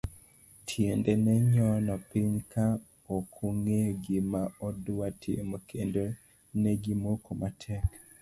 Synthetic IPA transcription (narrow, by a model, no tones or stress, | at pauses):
tʰjendenɛɲɔnɔpɪɲka | okʰuŋeɡimaɔdʊwatʰiemokendo | nɛɡimokomatʰɛk